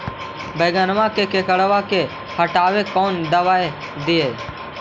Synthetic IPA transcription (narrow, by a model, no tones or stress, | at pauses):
beːɡənʋãkekekəɽʋake | həʈaːʋekɔːnd̪əʋaːe | d̪ɪjeː